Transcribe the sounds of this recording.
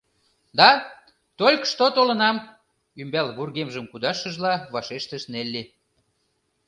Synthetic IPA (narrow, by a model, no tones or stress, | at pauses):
d̪ɑ | t̪olʲkʃt̪ot̪olə̆nɑm | ymbɑlβurɣemʒəmkud̪ɑʃə̆ʒlɑβɑʃeʃt̪əʃnelʲːe